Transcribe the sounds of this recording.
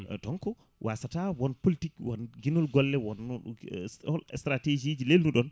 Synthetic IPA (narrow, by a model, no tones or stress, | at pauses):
tɔŋkɔ | wʔasatawɔnpolitikwɔnɡinɔlɡɔlːɛwɔn | ɔlɛstɾated͡ʒid͡ʒilelnuɗɔn